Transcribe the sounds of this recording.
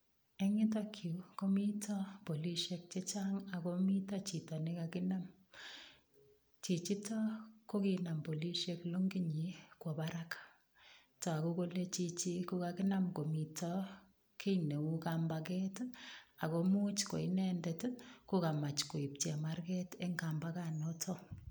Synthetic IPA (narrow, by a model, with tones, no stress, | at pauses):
e˦ŋi˦tɔ˦kʰu˨ko˦mi˦tʰɔ˦po˨li˦ʃe˦k̚t͡ʃe˦t͡ʃaŋa˨ko˦mi˦tɔ˦t͡ʃi˨tɔ˨ne˦kakɪ˦na˦m | t͡ʃi˨t͡ʃi˦tɔ˦ko˦ki˦na˨mpo˨li˦ʃe˦klo˦ŋɡi˦ɲi˨kwo˨baɾa˦k | tɔ˨a˨ku˦ko˦le˦t͡ʃi˦t͡ʃi˦ku˦ka˧ki˦na˦mko˨mi˨tʰɔ˦ | kʰe˦ine˨u˦kamba˨kɛ˦ta˨ko˨mu˦t͡ʃko̰˨i˦nɛ˦ndɛ˨tko˦ka˨ma˨t͡ʃko˨i˨p̚te˨ma˦rkɛ˦te˦ŋɡa˨mba˦kanɔ˦tʰɔ˦